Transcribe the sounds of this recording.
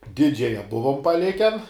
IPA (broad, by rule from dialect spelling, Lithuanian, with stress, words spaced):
ˈdʲɪd͡ʒʲɛjɛ ˈbʊʋoːm pɐˈlʲɪkʲɛn